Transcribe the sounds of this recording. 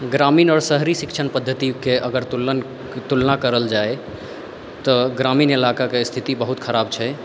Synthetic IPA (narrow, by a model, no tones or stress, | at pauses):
ɡɾamiːnɔːɾsəɦɾisikt͡ʃʰənpəd̪ʱːət̪ikeʔəɡəɾt̪ul | t̪ulnakəɾəld͡ʒae | t̪ɔɡɾaminelakakest̪ʰit̪ibəɦut̪kʰəɾab̚t͡ʃʰɛ